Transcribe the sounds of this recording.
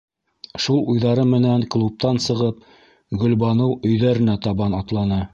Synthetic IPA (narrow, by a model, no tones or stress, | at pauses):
ʃulˠujðɑɾɤmɘ̆næŋklˠup̚t̪ɑnsɤ̆ʁɤp̚ | ɡɵ̆lbɑnɤwɵ̆jðæɾɘ̆næt̪ɑβɑnɑt̪lˠɑnɤ